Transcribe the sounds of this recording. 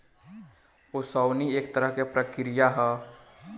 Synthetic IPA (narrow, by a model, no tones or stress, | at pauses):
osɔwnieːkt̪əɾəɦkepɾəkɾijaɦɛ